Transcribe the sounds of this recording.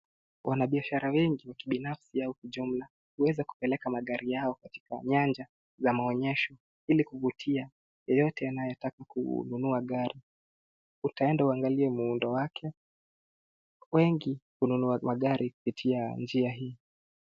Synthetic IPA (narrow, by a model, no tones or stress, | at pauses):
wʔanaɓiaʃaɾawɛŋɡiwakiɓinafsiaukuʄum̩la | huwɛzaku̥pɛlɛkamaɠaɾʔijaɔkati̥ka̰ɲand͡ʒa | zamaɔɲɛʃɔ | ilikuvutʰia | jɔjɔtɛanajɔtakakṵnunuaɠaɾi | utaɛndauaŋɡaliɛmuundɔwakʰɛ | wɛŋɡikununuamaɠaɾʔiku̥pitʰiand͡ʒiaɦiː